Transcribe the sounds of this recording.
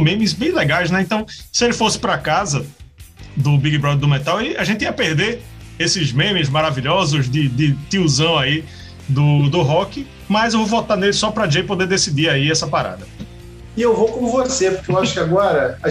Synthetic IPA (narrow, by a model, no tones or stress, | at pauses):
mẽmɪzbẽj̃lɛɡajznɛẽt̪ɐ̃w̃sɪelɪfosɪ̥pɾɐkazɐ | d̪ʊbiɡibɾɔd̪ɛɾd̪ʊmet̪awilaʒẽnt̪ɪiɐpeɾd̪e | esɪzmẽmɪzmaɾaviʎɔzʊzd̪ɪd̪ɪt̪iuzɐ̃w̃ai | d̪ʊd̪ʊɦɔkɪ | mɐzewvovɔt̪anelɪsɔpɾɐd͡ʒejpod̪ed̪esid̪iaiɛsɐpaɾa̰d̪ɐ | ɪewvokõvosepʊkeewaʃʊ̥kɪaɡɔɾɐ